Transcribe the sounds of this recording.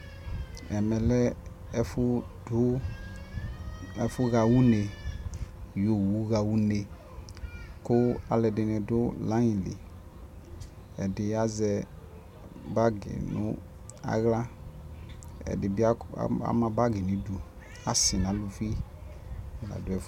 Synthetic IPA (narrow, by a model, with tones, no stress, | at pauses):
ɛ˨mɛ˨lɛ˦ | ɛ˦fʊ˦ | dʊ˦ | ɛ˨fʊ˦ɣa˨wu˦ne˨ | jo˨wu˨˦ɣa˨wu˦ne˨ | kʊ˦a˨lɛ˨dɪ˨nɛ˨dʊ˦la˨˦ɲĩ˨lɪ̰˨ | ɛ˨dɪ˨a˦zɛ˧ | ba˦ɡɪ̰˨nʊ̰˦ | a̰˨ɣla˦ | ɛ̰˨dɪ˨bɪ˦a̰˦a̰˦mã˨ba˦ɡɪ˨nĩ˨du˨ | a˨sɪ˨nã˨˦lu˨fi˦˨ | la̰˨dʊ˨˦ɛ˨f